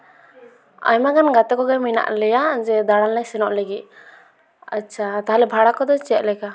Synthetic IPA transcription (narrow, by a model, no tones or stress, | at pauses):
a̰jmaɡanɡat̪ɛkɔɡɛmina̰ʔlɛjad͡ʒɛd̪aɽalːɛsɛnɔʔləɡit̪̚ | a̰ːt͡ʃʰat̪aɦalɛbʱaɽakɔd̪ɔt͡ʃɛʔ̚ˀlɛka